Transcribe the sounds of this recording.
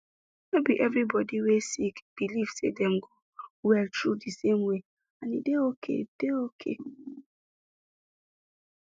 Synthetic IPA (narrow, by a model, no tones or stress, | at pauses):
mebiʔɛvɾibɔdiwesikb̥ilifsḛdeŋ̩ɡʊ | wɛltɾudisemwe | anḭdeokʰḛd̥eokʰḛ